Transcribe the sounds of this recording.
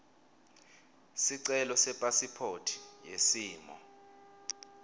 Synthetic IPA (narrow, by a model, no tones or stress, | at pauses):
siǀɛlɔsɛpʼasipʰotʰi̥jesiːmɔ̰